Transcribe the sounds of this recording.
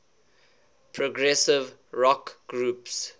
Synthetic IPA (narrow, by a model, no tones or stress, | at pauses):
pʰɹɔɡɹɛsɪvɹɔkɡ̥ɹuːps